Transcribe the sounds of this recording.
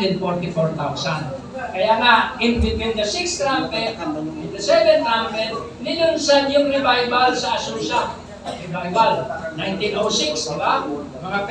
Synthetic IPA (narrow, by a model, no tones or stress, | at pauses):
ɛd̪̚fɔɹt̪ɪfoɹt̪awsan | kɐjaŋaʔɪnfɪfɪnd̪ɐsɪksɾampɛɪnd̪ɐsɛvɛnɾampɛn | nɪnʊnsad̪jʊŋnɐbajbalsɐɐsuːsa | ɐɪbajbalnajnt̪inowsɪksd̪ɪbasɐmɐŋap